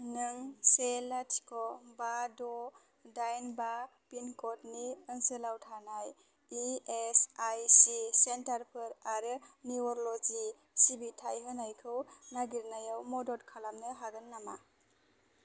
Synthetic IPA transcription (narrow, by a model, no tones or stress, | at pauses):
nɯŋselatʰi̥kɔbadɔ | dajnba | pinkɔt̚niɯnsɯlawtʰanaj | iesajsisentaɾpʰɯɾaɾɯniɔɾɔlɔd͡ʒi | sibitʰajɦɯnajkʰɯwnaɡiɾnajawmɔdɔt̚kʰalamnɯɦaɡɯnːama̰